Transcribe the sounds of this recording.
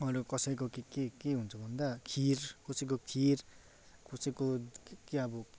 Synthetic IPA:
ʌɾukʌsʌjkokekekeɦunt͡sʰʌbʱʌnd̪akʰirkosʌjk̬okʰir | kʰusʌkokeʌbʌ

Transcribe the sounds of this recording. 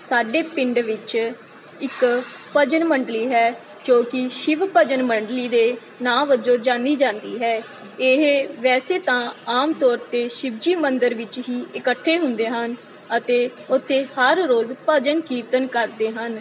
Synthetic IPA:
saːɖeːpɪɳɖʋɪt͡ʃ | ɪkpəd͡ʒənməɳɖliːɦɛː | d͡ʒoːkɪʃɪʋpəd͡ʒənməɳɖliːd̪eː | nãːʋəd͡ʒõːd͡ʒãːnd̪iːd͡ʒãːnd̪iːɦɛː | ɪɦʋɛːseːt̪ãːaːmt̪ɔːɾt̪eːʃɪb̚d͡ʒiːmənd̪əɾʋɪt͡ʃɦiːɪkəʈʰːeːɦʊnd̪eːɦən | ət̪eːʊt̪ʰːeːhəɾɾoːzpəd͡ʒənkiːt̪ənkəɾd̪eːɦən

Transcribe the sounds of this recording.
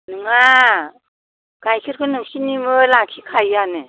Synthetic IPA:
nɯŋa | ɡ̥ajkʰiɾkʰɯnɯŋsinimɯlakʰikʰajane

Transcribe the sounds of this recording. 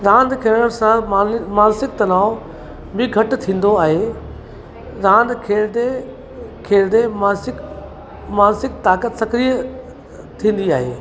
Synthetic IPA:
ɾãːnd̪kʰeːɾəɽ̃sãmaːnsɪk̚t̪ɐnaːʊ | bɪ̃ɡʱɐʈ̆t̪ʰĩːn̆d̪oaːɦe | ɾãːnd̪kʰeːɾd̪e | kʰeːɾd̪emaːsɪk | maːnsɪk̚t̪aːkət̪sɐkɾijə | t̪ʰĩːn̆d̪iaːɦeː

